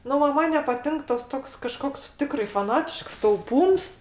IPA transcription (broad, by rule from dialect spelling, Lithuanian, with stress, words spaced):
ˈnʊ ˈʋɐ ˈmɐn nʲɛpɐˈtʲɪŋk ˈtɐs ˈtoːks kɐˈʃkoːks ˈtʲɪkrɐɪ fɐˈnɑːtʲɪʃks tɐʊˈpuːms